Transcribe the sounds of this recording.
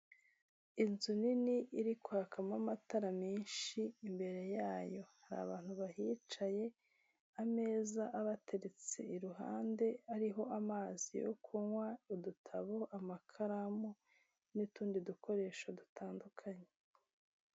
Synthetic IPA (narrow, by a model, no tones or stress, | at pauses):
inzuniniiɾikwaːkʰamamataɾamiːnʃiːmbe̞ɾe̞jaːjo̞haɾa̰βaːn̥huβaɦiːt͡ʃaje̞ | ame̞ːzaʔaβatʰe̞ɾet͡se̞̰iɾuɦa̰ːnde̞aɾiɦo̞ʔamaːzḭjo̰kʰuŋwaudutʰaβoʔamakʰaɾamu | nituːndidukʰo̞ɾe̞ːʃadutʰaːndukʰaɲe